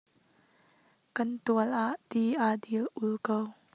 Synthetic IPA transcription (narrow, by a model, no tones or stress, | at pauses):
kɐnt̪uəlʔaʔt̪iʔadilʔulkow